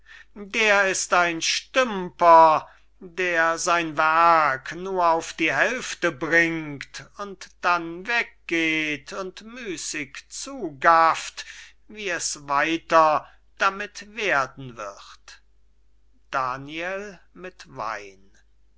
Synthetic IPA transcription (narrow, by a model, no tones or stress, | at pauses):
deːɐɪstaɪnʃtʏmpɐ | deːɐzaɪnvæɐknuːɐaʊfd̥iːɦɛlftəbʁɪŋktʊntd̥anvɛk̚ɡ̥eːtʰʊntmyːsɪkt͡suːɡaft | viːɛsvaɪtɐ | d̥amɪtv̥eːɐdn̩vɪ̰χt | d̥aːniɛlmɪtva̰ɪn